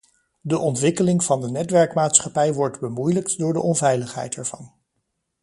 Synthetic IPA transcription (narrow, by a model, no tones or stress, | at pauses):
dəʔɔntʋɪkəlɪŋv̥ɑndənɛtʋɛɹkmaːtsχɑpɛjʋɔɹdbəmujləktdʊːɹdə̰ʔɔnvɛjləχɦɛ̰jtɦɛɹv̥ɑn